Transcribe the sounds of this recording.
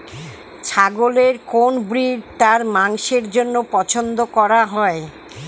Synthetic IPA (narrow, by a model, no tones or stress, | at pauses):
t͡ɕʰaɡoleɾkonbɾiɾt̪aɾmaŋʃeɾd͡ʑonːopɔt͡ɕʰond̪okɔɾaɦɔe